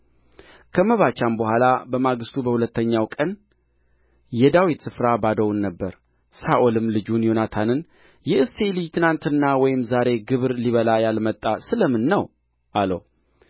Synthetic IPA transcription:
kʰəməβat͡ʃambəhʷalabəmaɡɨst̪ʰubəhulət̪ːəɲːawkʼən | jɛd̪awit̪sɨfɾabad̪əwnːəbːəɾ | saʔolɨmlɨd͡ʒunjonat̪ʰanɨn | jɛʔɨst̪elɨjt̪ʰɨnant̪ɨnːawɔjɪmzaɾe̞ɡɨβɨɾliβəlajalmət̪ʼːasɨləmɨnːəw | ʔalə̰w

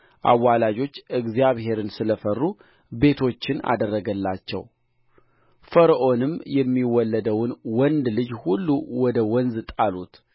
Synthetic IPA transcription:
ʔa̰wːalad͡ʒo̞t͡ʃːɨɡzjaβɦe̞ɾɨnsɨləfərːu | be̞t̪ʰo̞t͡ʃːɪna̰d̪ərːəɡəlːat͡ʃːɛ̰w | fəɾʔo̞nɨmjɛmːiwɔlːəd̪əwnwɔnd̪lɨd͡ʒhulːuwɔd̪əwɔnzt̪ʼalut̪

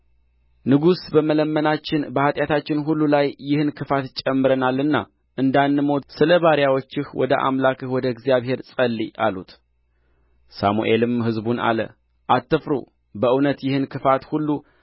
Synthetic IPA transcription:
nɨɡusbəmələmːənat͡ʃːɪnbəhat̪ʼjat̪ʰat͡ʃːɪnɦulːulajːɪhɨnkʰɨfat̪t͡ʃʼəmːɨɾənalːɨnːa̰ | ʔɨnd̪anːɨmosɨləβaɾjawot͡ʃːɪhwɔ̰d̪əʔa̰mlakɨhwɔd̪əɡzijaβhe̞ɾsʼəlːiʔalut̪ | sa̰muʔe̞lɨmhɨzbuna̰lə̰ | ʔat̪ːɨfɾṵ | bəʔɨwnət̪jɪhɨnkʰɨfat̪hulːu

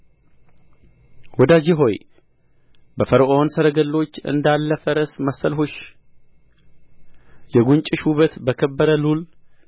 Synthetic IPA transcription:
wɔd̪ad͡ʒiɦo̞j | bəfəɾʔonsəɾəɡəlːo̞t͡ʃːɨ̰nd̪alːəfəɾəsməsːəlɦuʃ | jɛɡunt͡ʃʼɪʃhuβət̪bəkʰəbːəɾəlul

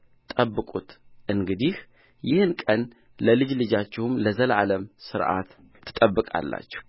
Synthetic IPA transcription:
t̪ʼəbːɨkʼut̪ʔɨŋɡɨd̪ih | jɪhɨnkʼən | ləlɨd͡ʒlɨd͡ʒat͡ʃːɪhumləzəlaləmsɨɾʔa̰t̪ | t̪ʰːɨ̥t̪ʼəbːɨkʼa̰lːa̰t͡ʃːɛ̥hu

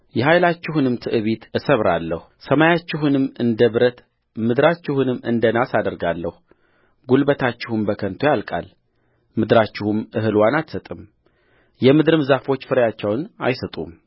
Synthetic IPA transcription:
jɛɦajlat͡ʃːɪhunɨmt̪ʰɨʔɨβit̪ɨsəβɾalːəhusəmajat͡ʃːɪɦunɨmɨnd̪əβɾət̪ | mɨd̪ɾat͡ʃːɪhunɨmːɨ̰nd̪ənasad̪əɾɡalːəhu | ɡulbət̪ʰat͡ʃːɪhumbəkʰənt̪ʰojalkʼa̰l | mɨd̪ɾat͡ʃːɪhumʔɨɦɨlwanat̪sət̪ʼɨm | jɛmɨd̪ɨɾɨmzafo̞t͡ʃːfɨɾjat͡ʃːɛwna̰jsət̪ʼṵm

